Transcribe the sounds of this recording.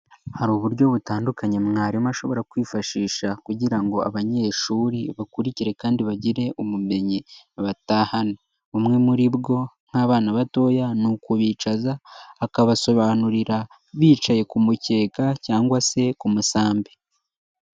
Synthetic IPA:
haɾuːβuɾɟo̞βutaːndukaɲemŋaːɾimaʃo̞βo̞ɾakwiːfaʃiːʃakuɟiɾaŋɡo̞a̰βaɲe̞ːʃuːɾiβakuɾiciɾe̞kaːndiβaɟiɾe̞ʔumume̞ɲi | βatahana | umŋe̞muɾibɡo̞ŋ̥haːβaːnaβato̞ːjanukuβiːt͡ʃazaːkaβaso̞βaːnuɾiɾa | βiːt͡ʃaje̞kumuce̞ːkacaːŋɡwase̞kumusaːmbe

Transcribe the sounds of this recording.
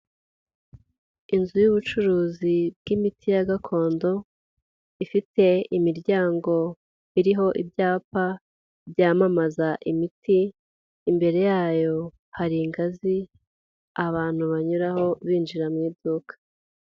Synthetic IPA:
inzujuβut͡ʃuɾuːzib̚ɡimitʰijaɡakʰo̞ːndo̞ | ifite̞imiɾɟaːŋɡo̞ | iɾiɦo̞ʔibɟaːpa | bjaːmamazaʔimitiː | mbe̞ɾe̞jaːjo̞ | haɾiŋɡazi | aβaːn̥huβaɲuɾaɦo̞βiːnd͡ʒiɾamŋiːdukʰḁ

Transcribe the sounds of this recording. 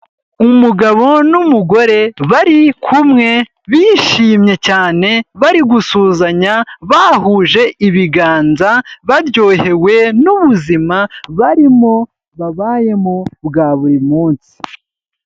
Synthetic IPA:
umuɡaβo̞numuɡo̞ɾe̞βaɾikʰumŋe̞ | βiːʃiːmɲe̞caːne̞βaɾiɡusuːzaɲaβaːhuːʒe̞ʔiβiɡaːnzaβaɾjo̞ːhe̞we̞nuβuzimaβaɾimo̞ | βaβaːje̞mobɡaːβuɾimuːnsi̥

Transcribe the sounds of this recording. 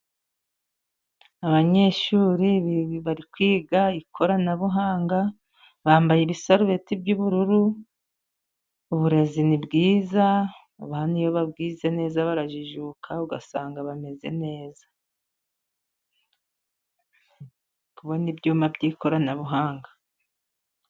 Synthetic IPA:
aβaɲe̞ːʃuːɾiβiβaɾikwiːɡaikʰo̞ɾanaβuɦaːŋɡa | βaːmbajeβisaɾuβe̞tibɟuβuɾuɾu | uβuɾe̞zinibɡiːza | aβaːnhujoβabɡiːze̞ne̞ːzaβaɾaʒiʒuːkʰauɡasaːŋɡaβame̞ze̞̰ne̞ːzḁ | kuβonibɟuːmabɟiːko̞ɾanaβuɦaːŋɡa

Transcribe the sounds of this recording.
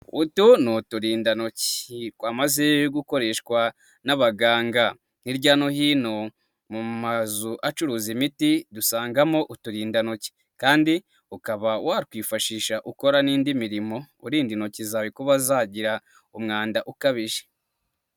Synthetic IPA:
utunutuɾiːndanoci̥kwaːmaze̞ɡuko̞ɾe̞ːʃkwa | naβaɡaːŋɡa | niɾɟaːnoɦiːno̞ | mumazuʔat͡ʃuɾuːzimitidusaːŋɡamo̞ʔutuɾiːndanoci̥ | kaːndi | ukaβawʔaɾikwiːfaʃiːʃaʔuko̞ɾaniːndimiɾimo̞ṵɾiːndinocizaːβikuβazaɟiɾa | umŋaːndaʔukaβiʒe̥

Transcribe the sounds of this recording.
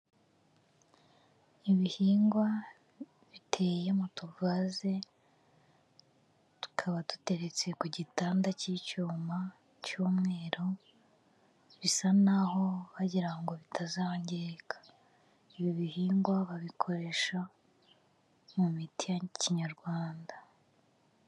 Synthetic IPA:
iβihiːŋɡwa | βitʰe̞jemutuvaze̞ | tu̥kʰaβatu̥te̞ɾe̞t͡se̞kuɟitaːndacicuːma | cuːmŋe̞ːɾo̞ | βisanaho̞βaɟiɾaŋɡo̞βitʰazaːɲɟeekḁ | iβjoβihiːŋɡwaβaβikʰo̞ɾe̞ʃa | mumitijaɲciɲaɾɡwaːnda

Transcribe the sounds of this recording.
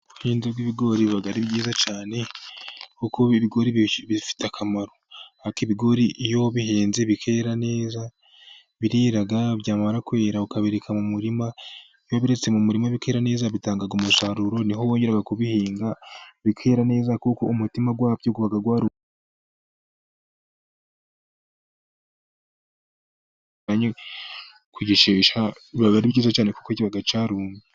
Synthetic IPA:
uhiːnzebɡwiβiɡo̞ɾiβaɡaɾibɟiːzat͡ʃaːne̞ | kukoiβiɡo̞ɾiβifi̥takʰamaɾo̞akiβiɡo̞ɾiʔjo̞βiheːnzeβikʰe̞ːɾane̞ːza | βiɾiːɾaɡaβjaːmaɾakwe̞ːɾaukaβeɾekʰamumuɾima | jaβiɾe̞t͡semumuɾimaβikʰeːɾane̞ːzaβitaːŋɡaɡumusaɾuɾo̞niɦowo̞ːɲɟeɾaɡakuβihiːŋɡaβikʰeːɾane̞ːzakuko̞umutimaɡwaːbɟokuβaɡaɡwaːɾu | aɲe | kwiɟiʃeːʃaiββaɡaɾiβɟiːzat͡ʃaːne̞ku̥kociβaɡat͡ʃaːɾuːnɡe

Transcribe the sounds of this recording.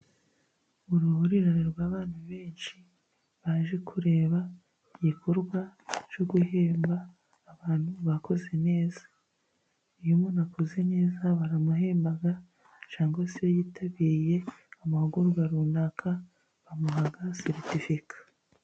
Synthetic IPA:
uɾuhuɾiɾaniɾɡwaːβaːn̥huβe̞ːnʃi | βaʒe̞kʰuɾe̞ːβa | iɟikʰoɾɡwat͡ʃo̞ɡuheːmbaː | βaːn̥huβakoze̞ne̞ːzḁ | ujumonakoze̞ne̞ːzaβaɾamuɦeːmbaɡa | t͡ʃaːŋɡosiβajiːtʰaβiɾije̞amahuɡuɾɡaɾuːndakʰa | βamuɦaɡasiɾtifikḁ

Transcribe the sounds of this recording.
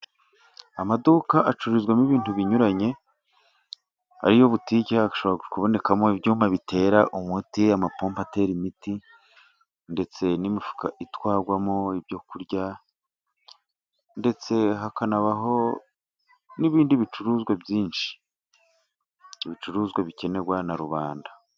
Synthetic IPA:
amadukaʔat͡ʃuɾuzɡwamiβiːntuβiɲuɾaɲe̞ | a̰ɾijoβutiɟeɡaʃo̞βoɾaɡukuβo̞ne̞kamoibjuːmaβitʰe̞ɾaʔumutiamapoːmpate̞ɾimiti | nde̞t͡se̞nimifu̥ka̰ʔitwaːɡwamoibjo̞kuɾɟa | nde̞t͡se̞ɦakanaβaɦo | niβiːndiβit͡ʃuɾuːzɡwebjiːnʃi̥ | iβit͡ʃuɾuːzɡweβice̞ne̞ɡwanaɾuβaːnda

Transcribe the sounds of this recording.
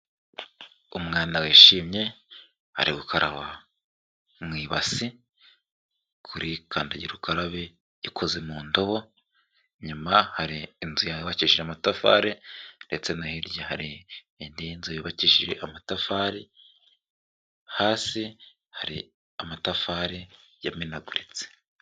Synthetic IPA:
umŋaːnaweːʃiːmɲe̞ | ha̰ɾiɡukʰaɾʔaβa | mwiːβasi | kʰuɾʔikʰaːndaɟiɾukʰaɾaβe | ikʰo̞zemuːndoβo | ɲumahaɾiːnzujaβaciʃiɾeamatafa̰ːɾende̞t͡se̞nahiɾjahaɾiː | ndinziβiːβaciʃiɾe̞̰ʔamatafaːɾi | haːsi | haɾḭ | amatafaːɾe | jaminaɡuɾit͡se̥

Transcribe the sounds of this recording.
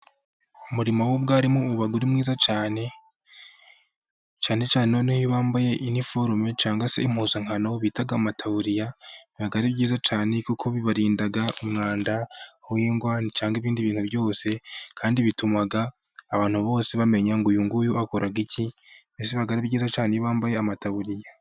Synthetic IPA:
umuɾimowobɡaːɾimuβaɡuɾimŋiːzat͡ʃaːne̞ | t͡ʃaːne̞t͡ʃaːneonihoβaːmbaje̞ʔinifoɾumet͡ʃaːŋɡase̞̰im̥huzaŋhano̞βiːtaɡamatʰauɾijaniβaɡaɾibɟiːzat͡ʃaːne̞kukʰoβiβaɾiːndaɡaʔumŋaːndawiːŋɡwaːnit͡ʃaːŋɡiβiːndiβiːnhuβjo̞ːse̞kʰaːndiβitumaɡaː | βaːn̥huβo̞ːse̞βame̞ɲaŋɡujuŋɡujuakoɾʔaɡicibesiβaɡaɾibɟiːzat͡ʃaːnejiβaːmbaje̞amataβuɾija

